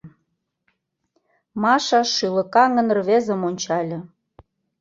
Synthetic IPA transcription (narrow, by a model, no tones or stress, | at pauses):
mɑʃɑʃːylə̆kɑŋə̆nrβezə̆monʲt͡ɕɑlʲɤ̆